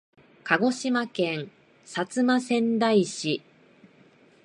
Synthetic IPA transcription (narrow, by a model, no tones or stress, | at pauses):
kaɡo̞ɕimakẽ̞ŋ | sat͡sɨmasẽ̞nd̪aiɕi